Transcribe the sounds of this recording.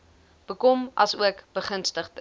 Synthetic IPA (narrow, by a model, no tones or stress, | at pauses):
b̥əkɔmɐ̰suəkb̥əχənstəχt